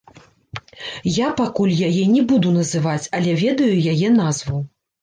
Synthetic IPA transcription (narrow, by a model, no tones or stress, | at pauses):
japakulʲjajɛnʲɛbud̪unɐzɨvat͡sʲɐlʲɛvʲɛd̪ɐjujajɛnazvɐw